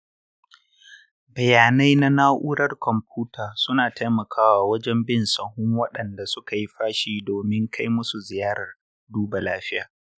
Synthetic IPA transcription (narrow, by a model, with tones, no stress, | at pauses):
bɐ˨jaː˨na˦jna˦naː˦ʔʊ˦ɽɐ˦rkɔ˨mpuː˦tʰaː˨sʊ˦naː˨ta˦jmɐ˨kʰaː˦waː˨wɐ˦d͡ʒɛ˦mbɪ˦˨nsɐ˨hʊ˦ŋwɐ˦ɗɐ˨nda˨sʊ˦ka˨ji˦ɸaː˦ʃiː˦doː˨mɪ˦ŋkʰa˦jmʊ˦su˨zɪ˨jaː˦ɾɐ˨r | duː˦ba˨laː˦ɸɪ˦jaː˨